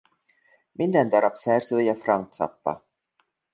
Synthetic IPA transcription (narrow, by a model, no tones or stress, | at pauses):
mʔind̪ɛnd̪ɑɾɑpsɛrzøːjɛfrɑŋt̪sɑ̰pːɑ̰